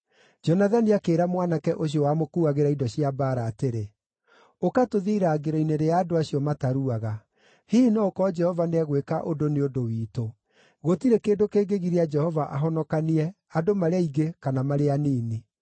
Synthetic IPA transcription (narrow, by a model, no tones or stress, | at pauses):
d͡ʒɔnaðaniakeːɾamwanakɛʔoɕ̬iɔwaːmokuːaɣeɾaidɔɕjabaːɾaːteɾe | okatoðiːɾaːɡeɾɔineɾeaːdoaɕiɔmataɾuaɣa | hiːnɔkɔd͡ʒɛhɔvaneɛɣwekaʔodoneodowiːto | ɣotiɾekeːndokeːɡeɣiɾead͡ʒɛhɔvaʔaɦɔnɔkaniɛ | adomaɾeaiɡekanamaɾeaniːni